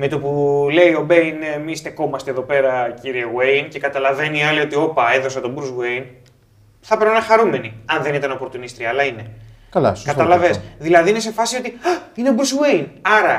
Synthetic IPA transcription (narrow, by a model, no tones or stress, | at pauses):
met̪opule̞io̞be̞inemist̪e̞ko̞mɐst̪eðo̞pe̞ɾɐciɾieɣwejnce̞kɐt̪ɐlɐve̞niɐlio̞t̪io̞pɐeðo̞s̬ɐt̪o̞buɾswejn | θɐpeɾnonɐxɐɾume̞niɐnðe̞nit̪ɐno̞po̞ɾt̪unist̪ɾiɐɐlɐine̞kɐlɐ̰kɐt̪ɐlɐvesðilɐðiine̞se̞fɐsio̞t̪iineobuɾsɣwejnɐɾɐ